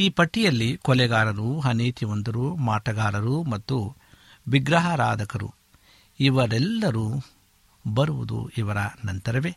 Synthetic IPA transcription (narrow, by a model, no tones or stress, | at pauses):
iːpɐʈːijɐlːikɔlɛɡaːɾɐɾuɦɐneːt̪ʰiʋɐnd̪ɐɾumaːʈɐɡaːɾɐɾumɐt̪ːu | ʋiɡɾɐɦɐɾaːd̪ʱɐkɐɾṵ | iʋɐɾɛlːɐɾu | bɐɾuʋud̪ṵiʋɐɾɐnɐnt̪ɐɾɐʋeː